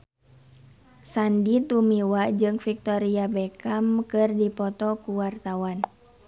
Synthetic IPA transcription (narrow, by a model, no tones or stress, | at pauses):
sandit̪umiwad͡ʒɨŋfik̚t̪ɔɾiabɛkamkɨrdipɔt̪ɔkuwart̪awan